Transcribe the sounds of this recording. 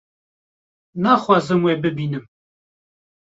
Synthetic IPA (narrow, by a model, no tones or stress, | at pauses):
naːxwaːzɨmweːbɨbiːnɨm